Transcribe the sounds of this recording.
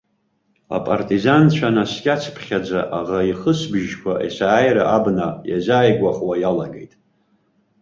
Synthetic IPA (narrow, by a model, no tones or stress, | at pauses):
a̰pʼartʼizant͡ɕʷʰanaskʲʼat͡sʰpʰχʲad͡zaʔaʁaiχəsbʒkʷʰaʔisaːjɾaʔabnaja̰zaːjɡʷʼaχwajalaɡḛjtʼ